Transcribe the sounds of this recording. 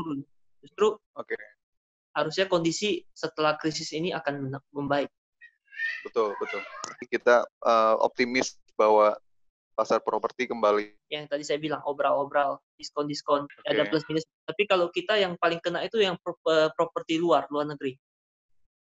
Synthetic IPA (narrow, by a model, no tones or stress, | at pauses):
d͡ʒust̪ɾuoke | haɾʊsɲakondisisət̪əlahkɾis̬ɪsiniakanənməmbaɪk̚ | bət̪ʊlbət̪ʊlaikit̪aʔəo̰p̚t̪imɪs | bawa | pasarpɾopərt̪ikəmbali | jaŋt̪adisajabilaŋʔobɾalobɾaldiskɔndiskɔnadablasminɪst̪apikalowkit̪ajaŋpalɪŋkənaʔit̪ujaŋpəpɾopərt̪iluarluarnəɡəɾi